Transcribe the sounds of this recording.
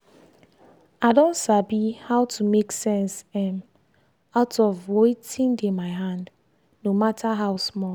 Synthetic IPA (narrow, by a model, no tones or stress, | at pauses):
aɪdõntsabihaʊtʰumeksɛ̃nsɛ̃m | aʊtʰɔvwetĩndemaɪɦãnd | nomatʰaɦaʊsmɔ